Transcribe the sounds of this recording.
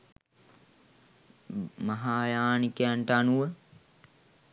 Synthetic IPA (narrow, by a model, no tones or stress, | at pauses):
mɐɦaːjaːnikejaɳʈəanuʋə